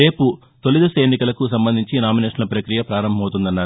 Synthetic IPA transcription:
e̞ːpu | t̪o̞lid̪ɐsɐenːikɐlɐkusɐmbɐnd̪ʱiɲt͡ʃinaːmineːʃɐnɐlpɾɐkɾijɐpɾaːɾɐmbʱɐmɐwt̪und̪ɐnːaːɾu

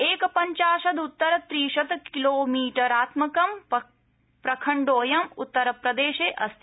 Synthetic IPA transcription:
eːkɐpɐɲt͡ʃaːʃɐd̪ut̪ːɐɾɐt̪ɾiːʃɐt̪kiloːmiːʈɐɾaːt̪mɐkɐm | pɾɐkʰɐɳɖoːjɐmut̪ːɐɾɐpɾɐd̪eːʃeːʔɐst̪ʰi

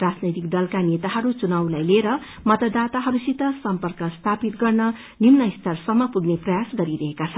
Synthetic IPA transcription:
rad͡znʌjt̪ikd̪ʌlkanet̪aɦʌɾut͡sunawlajleɾʌ | mʌt̪ʌd̪at̪aɦʌɾusit̪ʌsʌmpʌrkʌst̪ʰapit̪ɡʌrnʌ | nimnʌjst̪ʌrsʌmːʌpuɡneprʌjasɡʌɾiɾʌɦekat͡sʰʌn

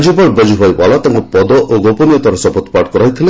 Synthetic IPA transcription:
d͡ʒibɔɾbɔd͡ʒuɦɔjbalat̪aŋkɔpɔd̪ɔʔoɡopɔnijɔt̪ʰaɾɔsɔpɔt̪ɔ̥paʈkɔɾajt̪ʰile

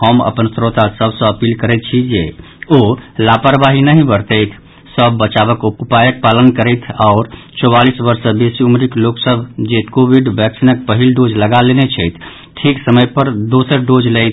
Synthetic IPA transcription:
ɦəmə̰pənsɾot̪asəbʱsə̃əpilkəɾɛt̪̚t͡ʃʰid͡ʒe | olapəɾbaɦinəɦĩbəɾt̪əjt̪ʰ | səbːət͡ʃaβəkupajək̚palənkəɾəɪt̪ʰaʊɾt͡ʃɔwalisbəɾsə̃besiumɾikloksəbʱd͡ʒet̪kobiɖbɛksinək̚pəɦilɖod͡ʒləɡalenet͡ʃʰəjt̪ʰ | ʈʰiksəməjpəɾd̪osəɾɖod͡ʒləjt̪ʰ

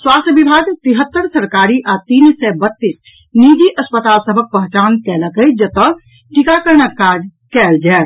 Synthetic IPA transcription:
swaːst̪ʰbɪbʱaːɡt̪ɪɦət̪ːəɾsəɾkaːɾiʔaːt̪iːnsɛbət̪ːiːs | niːd͡ʒ̪iʔəspət̪aːlsəbʱək̚pɐɦt͡ʃaːnkɛːləkəid͡ʒət̪ə | ʈɪkakəɾnakaːd͡ʒ | kɛːld͡ʒɛː

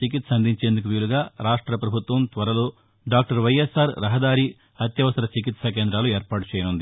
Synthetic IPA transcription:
t͡ʃikit̪sɐnd̪ʱiɲt͡ʃe̞ːnd̪uk̬uʋiːluɡaːɾaːʂʈɾɐpɾɐbʱut̪ʋɐmt̪ʋɐɾɐlo̞ː | ɖaːk̚ʈɐɾʋɐjesaːɾɾɐɦɐd̪aːɾiː | ɐt̪jɐʋɐsɐɾɐt͡ʃik̬it̪sɐk̬eːnd̪ɾaːlueːɾpaːʈut͡ʃɛːjɐnund̪i

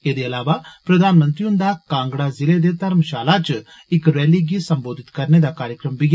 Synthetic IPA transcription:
eːd̪eɐlaːʋapɾəd̪ʱaːnmə̃nt̪ɾiʊnd̪aːkãːŋɡɽaːzɪled̪eːt̪əɾmʃaːlat͡ʃ | ɪkɾɛːliɡisəmboːd̪ʱɪt̪kɐɾned̪aːkaːɾjəkɾəmbɪɡ

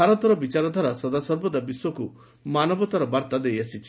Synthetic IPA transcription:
aɾɔt̪ɔɾɔbit͡ʃaɾɔd̪ʱwaɾasɔd̪asɔɾbɔd̪abiswɔku | manɔbɔt̪aɾɔbaɾt̪ad̪ejasʰit͡ʃʰi

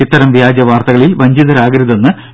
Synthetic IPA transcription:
it̪ːɐɾɐmʋjaːd͡ʑɐʋaːrt̪ɐɣɐɭilʋɐɲd͡ʑiðɐɾaːɡɾɨðɐnːɨ

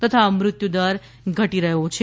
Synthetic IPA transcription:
t̪ət̪ʰaəmɾʊt̪jud̪aɾ | ɡʱəʈiɾəɦot͡ʃʰe

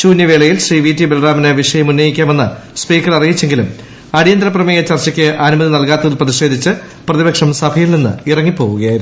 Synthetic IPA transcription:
t͡ɕuːnjɐʋeːɭɐjilʂriːʋiːtːibelraːmineʋiʂɐjɐmunːɐjikʲːaːme̞nːɨ | spiːkːɐrɐrijit͡ɕːe̞ŋɡilum | ɐɽijɐnd̪ɾɐprɐmɐjet͡ɕɐrt͡ɕːɐkʲːɨʔɐnumɐðinɐlkaːt̪ːɐðilprɐðiɕe̞ːd̪ʱit͡ɕːɨ | prɐðibɐkʂɐmsɐbʱɐjilninːɨ̰irɐŋːipːo̞ːɣuɣɐjaːjiɾu

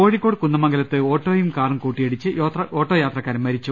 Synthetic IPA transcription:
o̞ːɻikːoːɽɨkunːɐmɐŋɡɐlɐt̪ːɨo̞ːʈːoːjumkaːrumkuːʈːijeɽit͡ɕːɨoːt̪rɐʔoːʈːo̞ːjaːt̪rɐkːaːɾɐmːɐɾit͡ɕːu

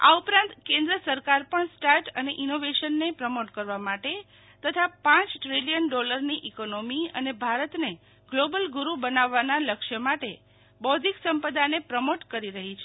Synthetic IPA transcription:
a̰upɾãnt̪kẽnd̪ɾəsəɾkaɾpəɳsʈaɾʈəneʔinoʋeʃənːepɾəmoʈkəɾʋamaʈe | t̪ət̪ʰapãt͡ʃʈɾilijənɖoləɾniʔikonomiə̰nebʱaɾət̪ne | ɡlobəlɡuɾubənaʋːanaləkʃəmaʈe | bɔd̪ʱiksəmpəd̪anepɾəmoʈkəɾiɾəɦit͡ʃʰe

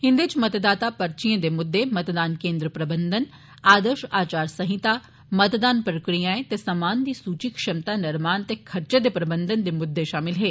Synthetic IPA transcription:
hɪ̃nd̪et͡ʃmət̪d̪aːt̪apɐɾt͡ʃiẽd̪emʊd̪ːemət̪d̪aːnkẽːnd̪ɾəpɾəbənd̪ən | aːd̪əɾʃaːt͡ʃaːɾsɐɦɪt̪aː | mət̪d̪aːnpəɾəkɽijãːẽt̪esɐmaːnd̪iːsuːt͡ʃikʃɐmt̪aːnɐɾmaːnt̪ekʰɐɾt͡ʃẽd̪epɾəbənd̪ənd̪emʊd̪ːeʃaːmɪlɦeː

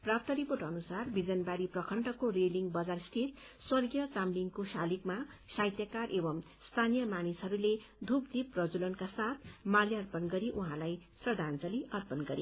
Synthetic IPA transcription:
prapʰʈ̪ʌɾiporʈʌnusarbid͡zʌnbaɾiprʌkʰʌɳʈʌkoreliŋɡbʌd͡zarst̪ʰit̪ | swʌrɡjʌt͡samliŋkosalikma | sajt̪jʌkarʔebʌm | st̪ʰanijʌmanisɦʌɾuled̪ʱupd̪iprʌd͡zulʌnkasat̪̚ʰmaljiʌrpʌnɡʌɾiʔuɦãlajsrʌd̪ʱant͡sʌliʔʌrpʌnɡʌɾḛ

